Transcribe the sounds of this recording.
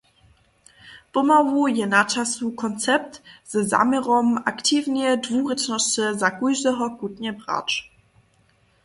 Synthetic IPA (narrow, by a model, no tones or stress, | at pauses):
pɔmavujɛnat͡ʃasukʰɔnt͡sɛp̚tz̥ɛza̰mɛʁɔmaktʰiːvnɛdvuːʁət͡ʃnɔst͡səzakujʒdɛɦɔkutɲɛbʁa̰t͡ʃ